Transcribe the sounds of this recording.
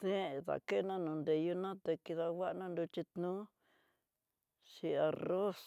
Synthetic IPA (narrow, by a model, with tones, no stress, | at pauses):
ðẽ˦˨ða̰˨ke˦˧nã˦nũ˨nd̪e˨ju˧nã˦t̪e˧ki˧ða˧wa˦ʔnã˦nd̪u˧t͡ʃi˧t̪nũ˦ | ʃi˧a˧ro˦s